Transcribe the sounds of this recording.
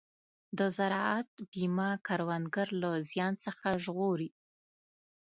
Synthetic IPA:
d̪əzaɾɑat̪̚bimɑkaɾwanɡaɾlazjɑnsəxaʒɣoɾi

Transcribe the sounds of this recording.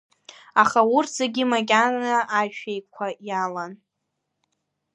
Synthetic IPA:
aχaurtzeɡʲimaɡʲanaaʒʃᶣejkʷʰajalan

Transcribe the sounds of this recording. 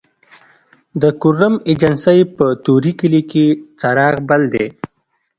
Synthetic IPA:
d̪əkʊɾəmed͡ʒɐnsəjpət̪uɾikɪliket͡saɾɑːɣbald̪e

